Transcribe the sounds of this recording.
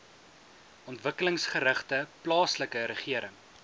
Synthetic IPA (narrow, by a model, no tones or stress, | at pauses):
ɔntvəkələŋsχəɾəχtəplɑːsləkəɾəχiəɾəŋ